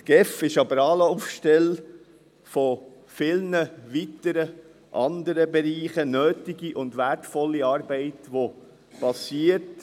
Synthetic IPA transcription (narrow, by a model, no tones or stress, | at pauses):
tɡ̥ɛfɪʃɑbəɾɑːləufʃtɛl | fo | fɪlnəʋitəɾə | ʔɑnd̪əɾəbɛɾiːχənøːtɪɡiʔʊndʋæɾtfɔlːiɑːɾbɛɪtʋo | pɑsiːəɾt